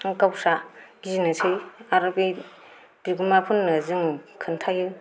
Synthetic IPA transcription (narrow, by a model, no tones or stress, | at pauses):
kawsaɡizinɯsʰɯjaɾɯbi | b̥iɡumapʰunːɯzɯŋkʰɯntʰajɯ